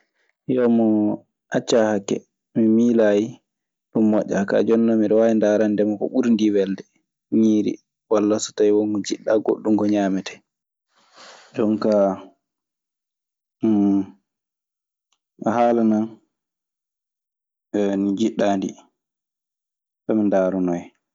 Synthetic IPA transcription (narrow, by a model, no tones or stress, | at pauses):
jɔmɔ | ʔat͡ʃːahakːɛ̰ | mimilaji | ɗumːɔʔːaka̰d͡ʒɔnːɔmiɗɔwajindaɾandɛmakɔ̰ɓuɾndiwɛldɛ | ɲiːɾḭ | walːasɔ̥tajwoŋɡɔd͡ʒiɗːaɡo̰ɗːumɡɔɲaːmɛtʰɛ̥ | d͡ʒɔnka | haːlanan | nid͡ʒiɗːaːndḭ | tɔmindaːɾɔnɔj